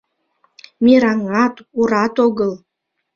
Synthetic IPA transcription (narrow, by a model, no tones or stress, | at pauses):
miɾɑŋɑt̪uɾɑt̪oɣəl